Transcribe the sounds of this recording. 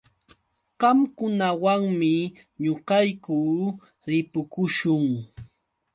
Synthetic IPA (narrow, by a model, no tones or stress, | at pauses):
ɢɑmkʊnawaŋmɪ | ɲoqɑjkuː | ɾɪpʊkʊʃʊŋ